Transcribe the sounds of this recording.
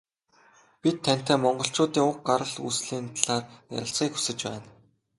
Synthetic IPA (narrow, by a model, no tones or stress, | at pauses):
pʲit̪ʰːæn̥ʲt̪æːmɔɴɢɞ̆ɬt͡ɕʊːt̪iːŋʊk̚ɢaɾə̆ɮusɮiːnt̪ʰɮaːrja̰ɾʲɪ̆ɬt͡sχiːku̥sɘ̆t͡ɕpæːn